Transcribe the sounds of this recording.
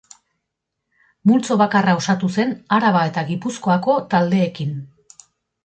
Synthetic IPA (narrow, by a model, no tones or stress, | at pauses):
mult͡so̞β̞akarao̞sat̪use̞naɾaβ̞ae̞t̪aɣipusko̞ako̞t̪ald̪e̞ːkin